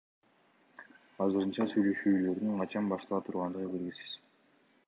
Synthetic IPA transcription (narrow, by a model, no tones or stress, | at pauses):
ɑzɯɾɯnt͡ʃɑsyjlø̞ʃyːlø̞ɾd̪yŋqʰɑt͡ʃɑnbɑʃt̪ɑlˠɑt̪ʰuɾʁɑnd̪ɯʁəbeɾɡʲisi̥z̥